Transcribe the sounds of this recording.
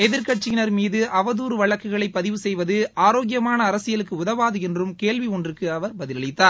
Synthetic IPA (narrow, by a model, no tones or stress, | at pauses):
ɛðɪɾkɐʈ̚t͡ʃɪɪnɐɾmiːðɯʔɐʋɐðuːɾɯʋɐɭɐkːɯɣɐɭɐɪpːɐðɪʋɯsɛjʋɐðɯaːɾoːɣɪjɐmaːnɐːɾɐsɪjɐɭɯkːɯʊðɐʋaːðɯɛndrɯmkeːɭʋiɔndrɯkːɯɐʋɐɾbɐðɪlɐɭɪt̪ːaːɾ